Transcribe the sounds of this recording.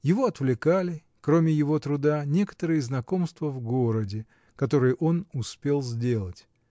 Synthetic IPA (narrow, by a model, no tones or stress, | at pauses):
jɪvo̞ɐt̪vlʲɪkalʲɪ | kɾo̞mʲɪjɪvo̞t̪ɾʊd̪anʲe̞kə̥t̪əɾɨjəznɐko̞mst̪vəvɡo̞ɾədʲɪ | kɐt̪o̞ɾɨjɪʔo̞nʊspʲe̞lˠzʲdʲe̞lˠətʲ